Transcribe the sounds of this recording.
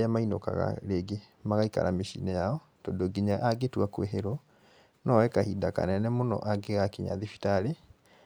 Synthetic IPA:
amainoka̰ɣa̰ɾeɡe | maɣaika̰ɾʔameʃḭːnɛjaɔ | tondoɡiɲaʔaɡetwakwḛɦeɾɔ | nɔwɛkahidaka̰nɛnɛmonɔ̰ʔaɡeɣakiɲa̰ðifi̥taɾe

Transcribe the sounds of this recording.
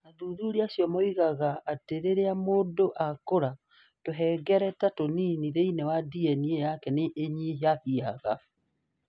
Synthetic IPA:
naðuðuɾiasjɔmɔiɣaɣaːteɾeɾeamoːdoʔakoɾa | toɦɛːɡɛɾɛtatoniniðeinewadiɛniejakɛneʔːɲiɦjaɸiaɣa

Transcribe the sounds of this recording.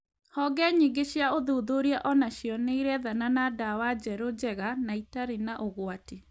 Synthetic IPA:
hɔɡɛɲiːɡeɕjaoðoːðoɾiaʔɔnaɕjɔneiɾɛðananadawad͡ʒɛɾod͡ʑɛɣanaitaɾenaʔoɣwate

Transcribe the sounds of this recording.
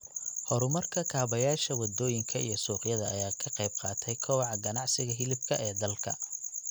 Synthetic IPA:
hɔɾʊmɐrkʰɐkʰaːβɐjaːʃɐwɐd̪ɔːjɪŋkʰɐijɞsuːqjɐðɐːjaːkʰɐqɑjb̚qɑːt̪ʰɛjkʰɔwʕɑɡɐnɑʕsɪɣɐɦɪlɪbkʰɐʔɛːd̪ɐlkʰɐ̰

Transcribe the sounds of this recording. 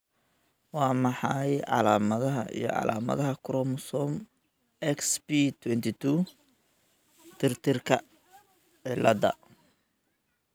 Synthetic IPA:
wɑːmɑħɑjʕɑ̰laːmɐðɐɦɐʔḭjɞ̰ʕɑ̰la̰ːmɐ̰ðɐɦɐkʰʊɾɔmʊsɔm | ɛksbiːt̪ʰwɛnt̪ʰɪt̪ʰu | t̪ʰɪrt̪ʰɪrkʰɐ | ʕɪlɐd̪ɐ̰

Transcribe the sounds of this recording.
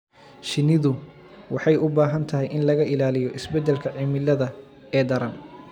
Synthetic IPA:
ʃɪnɪðʊ | wɑħɑjʊbaːɦɐnt̪ʰɐɦɛjʔɪnlɐɣɐʔɪlaːlɪjɔʔɪsbɛd̪ɛlkʰɐʕimɪlːɐðɐ | ɛːd̪ɐɾɐn

